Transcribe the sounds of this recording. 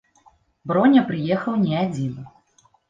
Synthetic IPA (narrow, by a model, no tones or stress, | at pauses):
bɾɔnʲɐpɾɨjɛxɐwnʲiad͡zʲin